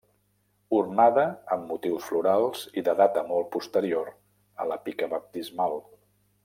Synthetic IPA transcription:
urnaðəəmːut̪iwsfluɾalˠz̥iðəðat̪əmɔlˠpust̪əɾioɾ | ə̰ləpikəβəp̚t̪izmalˠ

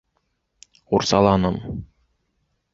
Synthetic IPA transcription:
uɾsɑlˠɑnɤm

